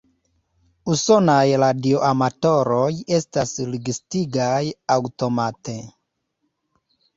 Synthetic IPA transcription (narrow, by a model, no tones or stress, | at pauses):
uso̞najɾadioʔamato̞ɾoje̞stasɾiɡistiɡajawto̞mate̞